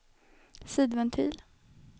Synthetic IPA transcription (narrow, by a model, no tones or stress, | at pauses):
siːd̪vɛnt̪ʰy̰ːl